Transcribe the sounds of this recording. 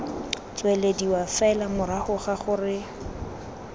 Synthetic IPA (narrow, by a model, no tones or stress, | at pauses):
t͡swɛlediwafaɛlamʊɾahʊχaχʊrɪ